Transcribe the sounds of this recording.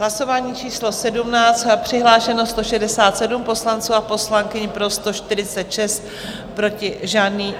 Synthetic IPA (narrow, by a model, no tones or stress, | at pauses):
ɦlaso̞vaːɲiːt͡ʃiːslo̞sɛdumnaːt͡st̪pr̥ɪɦlaːʃɛno̞st̪o̞ʃɛdɛsaːt̪sɛdumpo̞slant͡suːapo̞slaŋkɪɲɪpɾo̞st̪o̞ʃt̪ɪɾɪt͡sɛt̪ʃɛst̪ | pɾo̞cɪʒaːdniː